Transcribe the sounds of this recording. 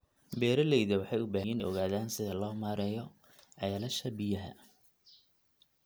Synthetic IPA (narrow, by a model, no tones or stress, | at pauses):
bɛːɾɐlɛjðɐwɑħɑjʊbaːɦjinʔɔ̰ɣaːðaːnsɪðɐlɔːmaːɾɛːjɔ | ʕɑːlɐʃɐbɪjɐɦɐ̰